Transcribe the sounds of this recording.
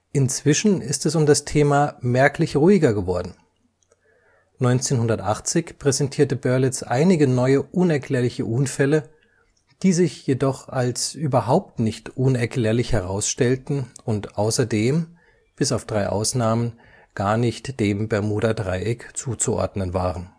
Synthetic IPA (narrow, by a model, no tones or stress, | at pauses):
ʔɪnt͡sv̥ɪʃn̩ɪstɛsʊmdastʰeːmaːmɛɐklɪçʁuːɪɡɐɡəvɔɐdn̩ | nɔʏnt͡seːnhʊndɐtʔaχt͡sɪçpʁ̥ɛzɛntʰiːɐtəbœɐlɪt͡sʔa̰ɪnɪɡənɔʏəʔʊnɛɐkʰl̥ɛːɐlɪçəʔʊnfɛlə | d̥iːzɪçjedɔχalsʔyːbɐɦaʊp̚tnɪçtʔʊnɛɐkl̥ɛːɐlɪçhɛʁ̞aʊsʃtɛltn̩ʊntʔaʊsɐdeːm | b̥ɪsaʊfd̥ʁaɪʔa̰ʊsnaːmən | ɡ̥aːɐnɪçtd̥eːmbɛɐmuːɾadʁaɪʔɪkt͡suːt͡suʔɔ̰ɐdnənvaːʁən